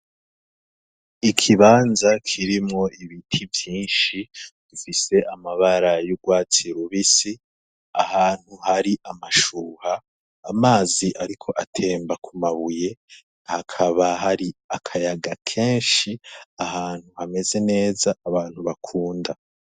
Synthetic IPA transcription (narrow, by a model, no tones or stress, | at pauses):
ikʰiβaːnzakʰiɾimŋo̞iβitʰivjiːnʃid̥ufise̞ʔamaβaɾajuɡwaːt͡siɾuβisi | a̰haːn̥huhaɾiʔamaʃuːhaː | maːziʔaɾikʰo̞ʔatʰe̞ːmbakʰumaβuje̞ | hakʰaβaɦaɾiakʰajaɡakʰe̞ːnʃiahaːn̥huhame̞ze̞ne̞ːzaːβaːn̥huβakʰuːnda